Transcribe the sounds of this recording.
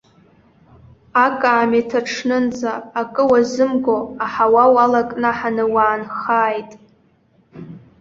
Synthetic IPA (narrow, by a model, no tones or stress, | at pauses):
akʼaːmetʰaʈ͡ʂʰnɨnd͡zaːkʼɨwazɨmɡoaħawawalakʼnaħanɨwaːnχaːjtʼ